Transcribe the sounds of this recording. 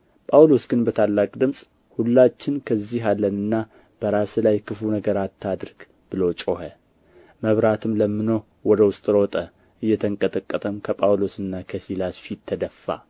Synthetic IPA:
pʼawlo̞sɡɨnbət̪ʰalːakʼd̪ɨmsʼ | hulːat͡ʃːɪnkʰəzːiɦalːənɨnːa | b̥əɾaslajkʰɨfunəɡəɾat̪ʰːad̪ɾɡ̥ | b̥ɨlot͡ʃʼohə | məβɾat̪ʰɨmləmːɨno | wɔd̪əwʊst̪ʼɾot̪ʼə | ʔɨjːɛt̪ʰəŋkʼət̪ʼəkʼːət̪ʼəmkʰəpʼawlo̞sɨnːakʰəsilasfit̪ʰːəd̪əfːa̰

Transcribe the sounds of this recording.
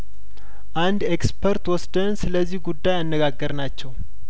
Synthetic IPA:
ʔand̪ekspʰəɾt̪wɔsd̪ənsɨləzːihɡud̪ːajanːəɡaɡːəɾnat͡ʃːɛw

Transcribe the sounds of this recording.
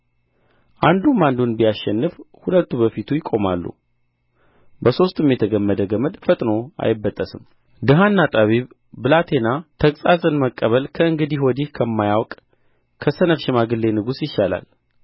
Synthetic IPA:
ʔand̪umand̪unbijasʃɛnːɨfhulət̪ːubəfit̪ʰujɪkʼːo̞malːṵ | bəso̞st̪ʰɨmjɛt̪ʰəɡəmːəd̪əɡəməd̪fət̪ʼno̞a̰jɪbːət̪ʼːəsɨm | d̪ɨɦanːat̪ʼaβiβ | bɨlat̪ʰe̞nat̪ʰəkʼsʼazʼɨnməkʼːəβəlkʰəɨŋɡɨd̪ihwɔd̪ihkʰəmːajawkʼ | kʰəsənəfʃɪmaɡɨlːe̞nɨɡusjɪʃːala̰l

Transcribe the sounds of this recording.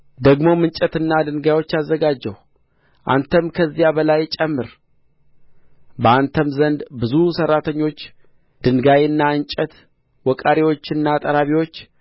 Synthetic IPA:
d̪əɡmo̞mɨnt͡ʃʼɛt̪ɨnːad̪ɨnɡajo̞t͡ʃːazːəɡad͡ʒːəw | ʔa̰nt̪ʰəmkʰəzːijabəlajt͡ʃʼɛmːɨɾ | bəant̪ʰəmzənd̪bɨzusərːat̪ʰəɲːo̞t͡ʃː | d̪̥ɨŋɡajɨnːaɨnt͡ʃʼət̪ | wɔkʼaɾiwo̞t͡ʃːɨnːat̪ʼəɾaβiwo̞t͡ʃː

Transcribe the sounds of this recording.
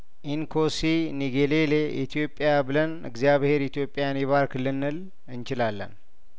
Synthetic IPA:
ʔinkʰosiniɡeleleʔḭt̪ʰijo̞pʼːɪjabɨlənɨ̰ɡzijaβhe̞ɾit̪ʰijo̞pʼːɪjanjɛβaɾkʰɨlːɨnːɨl | ɨnt͡ʃɪlalːə̰n

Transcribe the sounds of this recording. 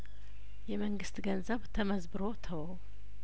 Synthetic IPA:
jɛməŋɡɨst̪ɡənzəβt̪ʰəməzbɨɾot̪ʰəwə

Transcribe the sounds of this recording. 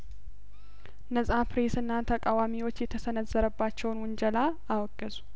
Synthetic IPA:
nəsʼapɾe̞sɨnːat̪ʰəkʼawamiwo̞t͡ʃːjɛt̪ʰəsənəzːəɾəbːat͡ʃːɛwnwʊnd͡ʒəlaː | wɔɡəzu

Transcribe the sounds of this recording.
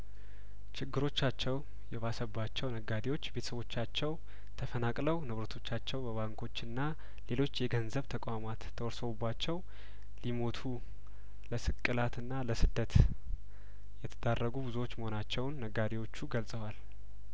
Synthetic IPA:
t͡ʃɪɡːɨɾo̞t͡ʃːat͡ʃːɛw | jɛβasəbat͡ʃːɛwnəɡːad̪ewo̞t͡ʃːbet̪ʰə̥səβo̞t͡ʃːat͡ʃːɛw | t̪ʰəfənakʼləwnɨβɾət̪ʰo̞t͡ʃːat͡ʃːɛwbəβaŋkʰo̞t͡ʃːɨnːa | le̞lo̞t͡ʃːjɛɡənzəβt̪ʰəkʼʷamat̪ʰːəwɔɾsəβubːat͡ʃːɛw | limo̞t̪ʰu | ləsɨkʼːɨlat̪ɨnːaləsɨd̪ːət̪ | jɛt̪ʰəd̪arːəɡubɨzuwo̞t͡ʃːməho̞nat͡ʃːɛwnːəɡːad̪ewo̞t͡ʃːuɡəlsʼəwal

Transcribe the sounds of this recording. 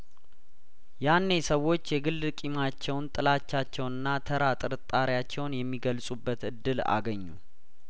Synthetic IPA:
janːesəwːo̞t͡ʃːjɛɡɨlːɨkʼimat͡ʃːɛwnt̪ʼɨlat͡ʃːat͡ʃːɛwnɨnːat̪ʰəɾat̪ʼɨɾɨt̪ʼːaɾjat͡ʃːɛwnjɛmːiɡəlsʼubːət̪ɨd̪ːɨla̰ɡəɲːu

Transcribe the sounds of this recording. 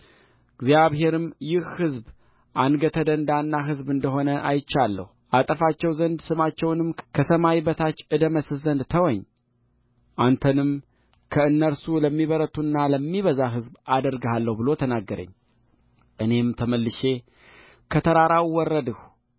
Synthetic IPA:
ɡzijaβhe̞ɾɨmjɪhhɨzb | ʔanɡət̪ʰəd̪ənd̪anːaɦɨzbɨnd̪əɦo̞nəʔajt͡ʃːalːə̰huʔat̪ʼəfat͡ʃːɛwzənd̪sɨmat͡ʃːɛwnɨmkʰəsəmajibət̪ʰat͡ʃːɨd̪əməsɨzənd̪t̪ʰəwɔɲː | ʔant̪ʰənɨm | kʰəɨnːəɾsuləmːiβəɾət̪ʰunːaləmːiβəzaɦɨzbad̪əɾɡhalːəhubɨlo̞t̪ʰənaɡːəɾə̰ɲː | ʔɨne̞mt̪ʰəməlːɨʃe̞ | kʰət̪ʰəɾaɾawwɔrːəd̪ɨh

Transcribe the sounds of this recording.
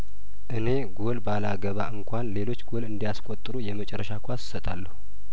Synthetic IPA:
ʔɨne̞ɡolbalaɡəβaʔɨŋkʷʰanle̞lo̞t͡ʃːɡo̞lɨnd̪ijaskʷʼot̪ʼːɨɾujɛmət͡ʃʼɛɾːəʃakʰʷassət̪ʼalːəhu

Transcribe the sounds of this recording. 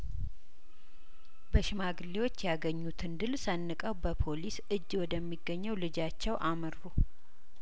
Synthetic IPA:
bəʃɪmaɡɨlːewo̞t͡ʃːjaɡəɲːut̪ʰɨnd̪ɨlsənːɨkʼəwbəpʰo̞lisɨd͡ʒːwɔd̪əmːiɡːəɲːɛwlɨd͡ʒat͡ʃːɛwʔaməɾfu

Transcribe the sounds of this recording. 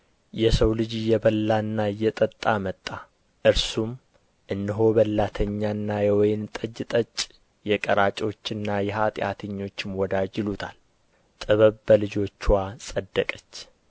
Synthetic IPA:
jɛsəwlɨd͡ʒjɛbəlːanːaɨjɛt̪ʼət̪ʼːamət̪ʼːa | ʔɨɾsum | ʔɨnːɨɦo̞βəlːat̪ʰəɲːanːajɛwɔjɪmt̪ʼəd͡ʒːɪt̪ʼət͡ʃʼ | jɛkʼəɾat͡ʃʼo̞t͡ʃːɨnːajɛɦat̪ʼɪja̰t̪ʰəɲːo̞t͡ʃːmwɔd̪ad͡ʒɪlut̪ʰa̰l | t̪ʼəβəβbəlɨd͡ʒo̞t͡ʃːwasʼəd̪ːəkʼət͡ʃː

